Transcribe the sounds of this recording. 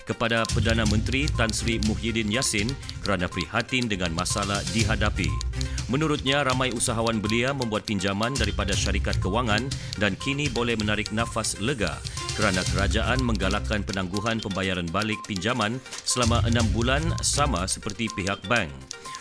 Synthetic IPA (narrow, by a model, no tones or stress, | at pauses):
kəpadapərdanamə̃nt̪ɾit̪ansɾimuɦidɪnjasɪnkəɾanapəɾihat̪indəŋãnmasalahdiɦadapḭmə̃nuɾʊt̪̚ɲaɾamãjusaɦawanbəliamə̃mbuat̪̚piɲd͡ʒamandaɾipadaʃaɾikat̪̚kəwaŋandankinibolɛhmənaɾɪk̚nãfasləɡa̰kəɾanakəɾad͡ʒaʔanmə̃ŋɡalakanpənãŋɡuɦanpəmbajaɾanbalɪk̚piɲd͡ʒamãnsəlamaʔənãmbulansamasə̥pərt̪ipiɦak̚bɛŋ